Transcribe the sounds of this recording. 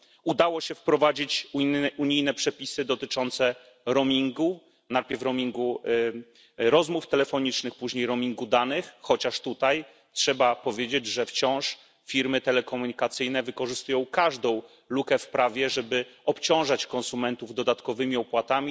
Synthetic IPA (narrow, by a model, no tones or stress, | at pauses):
ud̪awɔɕɛfpɾɔvad͡ʑit͡ɕuɲijnɛpʂɛpʲisɘd̪ɔt̪ɘt͡ʂɔnt̪sɛ | ɾɔmʲiŋɡu | nat̪pʲjɛɾfɾɔmʲiŋɡu | ɾɔzmuft̪ɛlɛfɔɲit͡ʂnɘxpuʑɲejɾɔmʲiŋɡud̪anɘxxɔt͡ɕaʂt̪ut̪aj | tʂɛbapɔvʲjed͡ʑed͡ʑʐɛft͡ɕɔ̃w̃ʂ | fʲiɾmɘt̪ɛlɛkɔmuɲikat̪sɘjnɛvɘkɔʐɘst̪ujɔ̃w̃kaʐd̪ɔ̃w̃ | lukɛfpɾavʲjɛʐɛbɘɔpt͡ɕɔ̃w̃ʐat͡ɕkɔnsumɛnt̪uvd̪ɔd̪at̪kɔvɘmʲiɔpwat̪amʲi